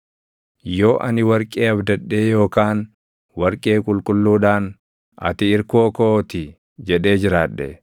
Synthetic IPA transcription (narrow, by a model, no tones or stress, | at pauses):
jo̞ːʔɐ̰nɪwɐɾkʼeːɐbd̪ɐɗːe̞ːjo̞ːkaːn | wɐɾkʼe̞ːkʼʊlkʼʊlːuːᶑaːn | ʔɐ̰t̪ɪɪɾkoːkoːt̪ɪ | d͡ʒɛᶑe̞ːd͡ʒɪɾaːᶑːɛ̰